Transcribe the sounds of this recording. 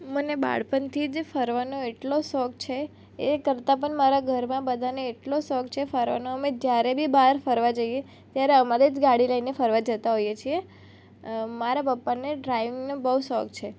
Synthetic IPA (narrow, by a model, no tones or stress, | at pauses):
məneba̰ɽpənt̪ʰid͡ʒefəɾʋanoeʈlosɔk̚t͡ʃʰe | ekəɾt̪ap̬əɳmaɾaɡʱəɾmãbəd̪ʱaneːʈlosɔkt͡ʃʰefəɾʋa̰noəmed͡ʒjaɾebʱibaɾfəɾʋad͡ʒəije | t̪jaɾeəmaɾid͡ʒɡaɽiləinefəɾʋad͡ʒət̪aɦojet͡ʃʰie | maɾapəpːaneɖɾajʋɪŋɡnobəusɔkt͡ʃʰe